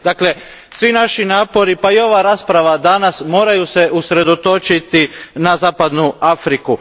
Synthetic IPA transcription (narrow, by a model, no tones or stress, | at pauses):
d̪akle | sʋinaʃinaːpo̞ɾipaio̞ʋaɾaːspɾaʋad̪anasmo̞ːɾajuseʔusɾe̞d̪o̞t̪o̞t͡ʃit̪inazaːpad̪nuafɾiku